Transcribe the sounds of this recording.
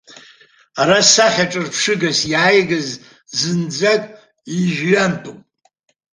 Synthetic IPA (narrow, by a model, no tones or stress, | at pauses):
aɾasaχʲaʈ͡ʂʼɨrpʰʂɨɡasjajɡaz | zɨnd͡zakʼ | iʒɥantʼupʼ